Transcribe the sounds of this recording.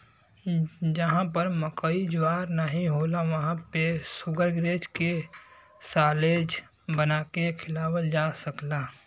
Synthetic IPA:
d͡ʒəɦãp̬əɾməkəid͡ʒaːɾnəɦĩɦoːlaʋəɦãpesʊɡəɾɡɾeːd͡ʒke | saːleːd͡ʒ | bənaːkekʰɪlaːwəld͡ʒaːsəklaː

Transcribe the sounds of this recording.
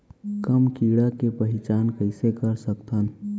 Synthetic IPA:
kəmkiɽakepəɦɪt͡ʃaːnkəɪsekəɾsəkt̪ʰən

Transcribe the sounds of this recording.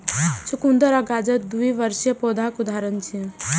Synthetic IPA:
sʰukund̪əɾaɡad͡ʒəd̪uiʋəɾʃjəpod̪ʱakud̪aːɾənt͡ʃʰi

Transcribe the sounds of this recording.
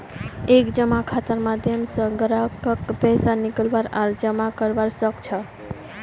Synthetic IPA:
ekd͡ʒəmakʰat̪əɾmad̪ʱjəmsə̃ɡəɾəkəkpɛsanikəlbaɾaɾd͡ʒəmakəɾbaɾsəkt͡ʃʰə

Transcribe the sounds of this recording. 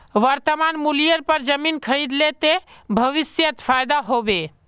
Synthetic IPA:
ʋəɾt̪əmanmulijəɾpəɾd͡ʒəminkʰəɾid̪let̪ebʱəʋisjət̪pʰajd̪aɦobe

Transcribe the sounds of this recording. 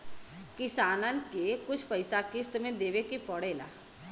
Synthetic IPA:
kɪsaːnənkekʊt͡ʃʰpəɪsakɪst̪mẽd̪eːʋekipɔɽeːla̰ː

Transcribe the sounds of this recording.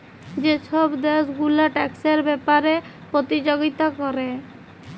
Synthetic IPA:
d͡ʒeʃɔbd̪esɡulaʈɛkseɾbɛpaɾepɾot̪id͡ʒoɡit̪akɔɾe

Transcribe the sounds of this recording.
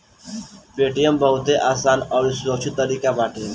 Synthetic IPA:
peːʈijəmbəɦʊt̪eʔaːsaːnɔːɾisʊɾəkt͡ʃʰɪt̪ːəɾiːkabaːʈiːn

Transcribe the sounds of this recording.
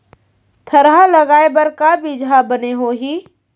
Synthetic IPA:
t̪ʰɐɾɦalɐɡaːebɐɾkabid͡ʒabəneɦoːɦiː

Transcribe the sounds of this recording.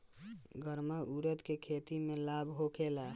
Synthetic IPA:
ɡəɾməʔuɾət̪kekʰet̪imẽlabʱɦokʰela

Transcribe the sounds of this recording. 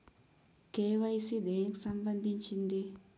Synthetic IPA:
keːʋajsid̪eːksɐmbɐnd̪iɲt͡ʃind̪i

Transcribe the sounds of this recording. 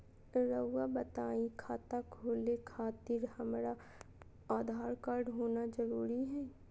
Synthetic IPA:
ɾəːabət̪aːikʰaːt̪akʰoːlekʰaːt̪ɪɾhɐmɾa | aːd̪ʱaːɾkaɾɖɦoːnad͡ʒəɾuːɾiɦɛː

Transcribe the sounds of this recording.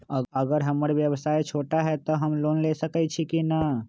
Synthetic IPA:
əɡəɾɦəməɾʋjəʋsaːet͡ʃʰoːʈaɦɛt̪ɔɦəmloːnlesəkɛt͡ʃʰikinə

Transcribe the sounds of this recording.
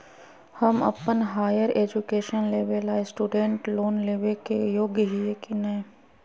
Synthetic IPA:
hɐmɐ̰pənɦaːjəɾeːd͡ʒukeːʃənleːʋelaːesʈuːɖẽɳʈloːnleːʋekejoːɡjəɦiekinɐ

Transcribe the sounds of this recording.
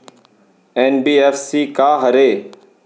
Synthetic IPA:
eːnbiːeːfsiːkaːɦəɾeː

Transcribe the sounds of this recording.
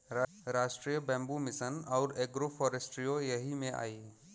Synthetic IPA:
ɾaːsʈɾijəbɛ̃ːmbumɪsənɔʊɾeːɡɾofʰɔːɾesʈɾijojɐɦimẽʔa̰ːiː

